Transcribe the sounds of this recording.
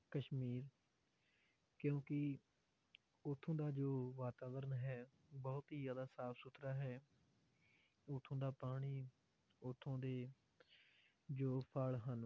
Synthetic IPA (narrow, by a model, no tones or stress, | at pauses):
kəʃmiːɾ | kjõːkɪ | ʊt̪ʰːõːd̪aːd͡ʒoːʋaːt̪aːʋəɾənɦɛː | bɔːt̪ɦiːzaːd̪aːsaːpsʊt̪ɾaːɦɛː | ʊt̪ʰõːd̪aːpaːɽ̃iː | ʊt̪ʰːõːd̪eː | d͡ʒoːpʰəɭɦən